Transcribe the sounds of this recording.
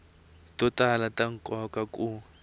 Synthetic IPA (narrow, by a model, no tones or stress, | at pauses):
tʼɔtʼalatʼaŋ̩kʼɔkʼakʼu